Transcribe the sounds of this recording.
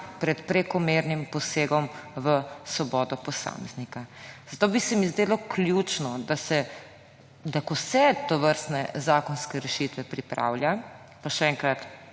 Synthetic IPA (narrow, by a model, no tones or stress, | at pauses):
pɾɛt̪pɾɛkɔmeɾnimpɔseːɡɔmʋəsʋɔbɔːd̪ɔpɔsa̰ːmɛznikaz̥at̪oːbisɛmizd̪eːlɔkljuːt͡ʃnɔd̪asɛ | d̪akɔsɛt̪ɔʋəɾst̪nɛ̰zaːkɔnskɛɾɛʃit̪ʋɛpɾipɾa̰wlja | paʃɛɛːŋkɾat̪